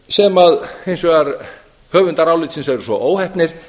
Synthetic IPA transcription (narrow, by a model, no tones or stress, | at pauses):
sɛmaðejnsvɛɣaɾ | hœːvʏnt̪aɾaːwlɪt̪sɪnsɛɾʏsvɔʔoːwhɛht̪nɪɾ̥